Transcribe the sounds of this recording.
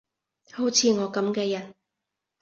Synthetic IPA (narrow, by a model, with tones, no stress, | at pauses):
ho˨˥wt͡sʰiː˨˧ŋɔː˨˧kɐ˨˥mkɛː˧jɐ˨˩n